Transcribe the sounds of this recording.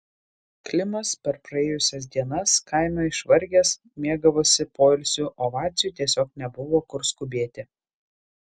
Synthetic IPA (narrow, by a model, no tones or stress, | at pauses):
klʲɪmɐspʲɛɾpɾɐeːjʊsʲɛs̬d̪ʲiɛnɐskɐɪmʲoɪʃʋɐɾʲɡʲeːs | mʲiɛɡɐʋoːsʲɪpoːɪlʲsʲuːʔoːʋɑːt̪sʲɪjuːt̪ʲiɛsʲoːk̚nʲɛbʊʋoːkʊɾskʊbʲeːt̪ʲɪ